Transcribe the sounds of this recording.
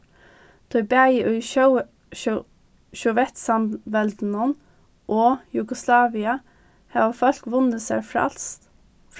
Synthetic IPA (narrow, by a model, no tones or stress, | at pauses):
t̪ʰɔʏbæɪʔʉʏʃ | ʃɔʋɛt̪sɑmʋɛld̪n̩ɔn | ʔoːjʊɡʊslɑːʋɪɑ | hɑːʋfœlkʋʊnəsæ̰ɹfɾɑ̰lst̪